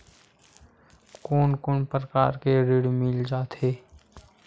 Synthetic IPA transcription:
koːnkʊnpɾəkaːɾkeɾɪɽmɪld͡ʒaːt̪eː

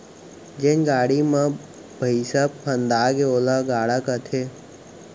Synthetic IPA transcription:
d͡ʒɪnɡaːɽimã | bʱəisabpʰənd̪aːɡeoːlaɡaːɽakat̪ʰe

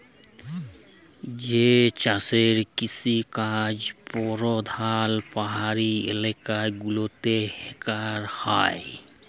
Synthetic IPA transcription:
d͡ʒet͡ʃaseɾkisikad͡ʒpoɾod̪ʱaːlpəɦaɾiḛlekaɡulot̪ehekaɾhae

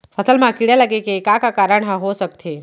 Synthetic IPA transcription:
pʰəsəlmãkiɽjaləɡekekakakaɾəɳ̃ɦəɦosək̚t̪ʰe

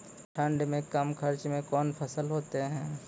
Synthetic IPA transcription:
ʈʰə̃ɳɖmẽkɐmkʰəɾt͡ʃmẽkɔːnpʰəsəlɦoːt̪eɦɛ̃ː

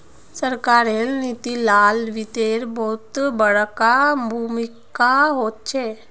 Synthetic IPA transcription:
səɾkaɾelnit̪ilalʋit̪eɾbʱot̪bəɭkabʱumikaɦot̪̚t͡ɕʰe

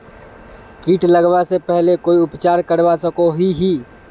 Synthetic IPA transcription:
kiːʈləɡbasepɛɦlekoiupt͡ʃaɾkəɾbasəkoɦiɦi

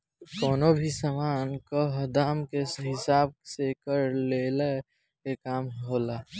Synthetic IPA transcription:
kɔːnobʱisaːmaːnkoɦəd̪aːmkeɦɪsaːb̚sekəɾlele | kekaːmɦoːlaː

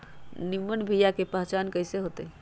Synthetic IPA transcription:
nimːənbʱijakepəɦt͡ʃankəiseɦot̪ə

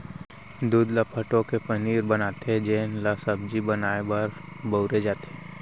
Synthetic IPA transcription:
d̪uːd̪lapʰəʈõkepɐniːɾbɐnaːt̪eɦɛd͡ʒeːnlasəb̚d͡ʒibɐnaːebaɾbəʊɾed͡ʒaːt̪eɦɛː

